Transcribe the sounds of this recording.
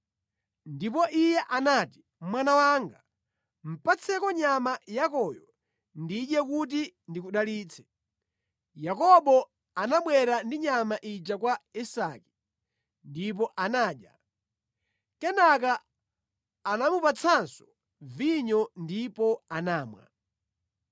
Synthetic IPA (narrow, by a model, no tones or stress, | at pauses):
ndip̬ɔʔijɛʔanaːti̥ | mwanawaŋɡa | m̩pat͡sʰɛkɔɲamajakɔjɔ | ndiɗjɛkut̬indikuɗaliːt͡sʰɛ̥ | jakɔɓɔ | anaɓwɛɾandiɲamaʔid͡ʒakwaisaki̥ | ndip̬ɔʔanaːɗja̰ | kɛnaka | namupat͡sʰansɔ̥ | viɲɔndipɔanaːmwa̰